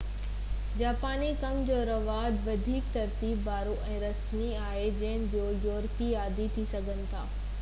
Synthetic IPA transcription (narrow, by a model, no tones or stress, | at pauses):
d͡ʑaːpaːnikɐmd͡ʑoːɾɐʋaːd̪ʋɐd̪ʱiːk̚t̪ɐɾt̪iːbːaːɾoʔɛ̃ːɾɐsmiaːɦed͡ʑɐ̃ɦɪnɪ̆d͡ʑoːjɔːɾpiaːd̪ʱit̪ʰisɐɡʱənɪ̆t̪ʰaː